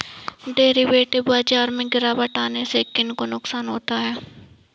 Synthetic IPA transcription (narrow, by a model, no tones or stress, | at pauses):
ɖeːɾiʋeːʈɪbaːd͡ʒaːɾmẽɡɪɾaːbəʈaːnesekɪnkonʊksaːnɦoːt̪aɦɛː